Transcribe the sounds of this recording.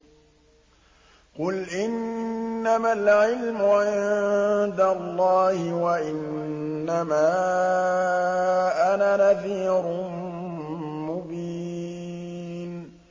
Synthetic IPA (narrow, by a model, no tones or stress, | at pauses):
qʊlʔɪnːamalʕɪlmʊʕɪnnd̪alˤːɑːhɪwaʔɪnː | amaː | ʔananaθiːɾʊ | mʊbiː | n